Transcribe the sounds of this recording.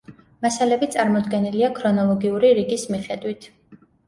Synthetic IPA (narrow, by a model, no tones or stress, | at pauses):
masalɛbit̪sʼaɾmɔd̪ɡɛniliakʰɾɔnɔlˠɔɡiuɾiɾiɡismiχɛd̪wit̪ʰ